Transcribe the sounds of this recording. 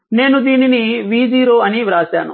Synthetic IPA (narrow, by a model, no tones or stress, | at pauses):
neːnud̪iːniniʋiːd͡ʒiːɾoːɐniʋɾaːsja̰ːnṵ